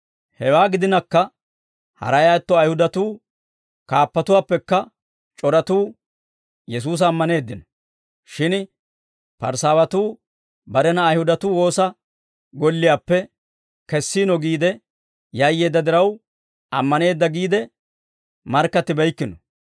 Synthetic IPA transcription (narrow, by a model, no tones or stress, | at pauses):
hɛwaːɡɪd̪ɪnɐkːɐ | hɐ̰ɾɐjaːt̪ːɔɐjhʊd̪ɐt̪uː | kaːpːɐt̪ʊwaːpːɛkːɐ | t͡ʃʼɔɾɐt̪uː | jɛs̬uːs̬ɐːmːɐne̞ːd̪ːɪnɔ | ʃɪn | pɐ̰ɾsaːwɐt̪uː | bɐɾɛnɐːjhʊd̪ɐt̪uːwo̞ːsɐ | ɡɔlːɪjaːpːɛ | kɛsːiːnɔɡiːd̪ɛ | jɐjːe̞ːd̪ːɐd̪ɪɾɐw | ɐmːɐne̞ːd̪ːɐɡiːd̪ɛ | mɐɾkːɐt̪ːɪbɛjkːɪnɔ